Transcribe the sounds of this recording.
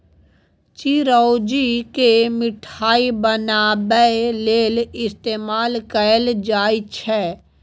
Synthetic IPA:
t͡ʃiɾɔʊd͡ʒikemɪʈʰaːibənaːbəeleːlɪst̪eːmaːlkəld͡ʒaːit͡ʃʰɛ

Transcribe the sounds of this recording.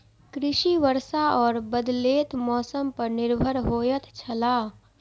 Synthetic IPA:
kɾɪʃiʋəɾsaɔːɾbəd̪leːt̪mɔːsəmpəɾnɪɾbʱəɾɦoːjət̪t͡ʃʰɐlaː

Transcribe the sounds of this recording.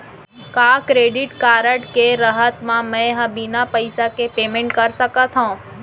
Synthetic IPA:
kaːkɾeːɖɪʈkaːɾəʈkeɾəɦət̪mãmɛ̃ɦə̃binapəɪsakepeːmẽɳʈkəɾsəkət̪ʰɦõː

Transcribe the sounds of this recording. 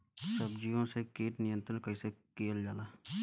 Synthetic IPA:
səbd͡ʒijõsekeːʈnɪjə̃nt̪ɾənkəisekeːəld͡ʒaːlaː

